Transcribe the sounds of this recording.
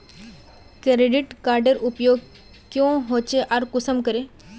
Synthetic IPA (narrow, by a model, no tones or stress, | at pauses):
kɾeɖiʈkaɾɖəɾupjoɡ | kjõɦot͡ɕeʔaɾkusəmkəɾe